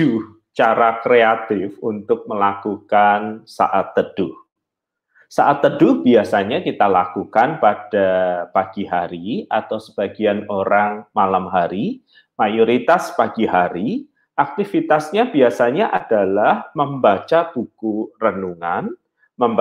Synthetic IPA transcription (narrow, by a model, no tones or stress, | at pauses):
d͡ʒuh | t͡ʃaɾakɾeat̪ɪfunt̪ʊk̚məlakukansa̰ʔat̪ːəd̥ʊh | saʔat̪ːədʊhb̥iasaɲakit̪alakukanpad̥apaɡ̥iɦaɾia̰t̪awsəb̥aɡianoɾaŋmalamɦaɾi | majoɾit̪aspaɡiɦaɾi | ʔak̚t̪ifit̪asɲabiasaɲaʔad̥alahməmbat͡ʃab̥ukurənuŋan | məm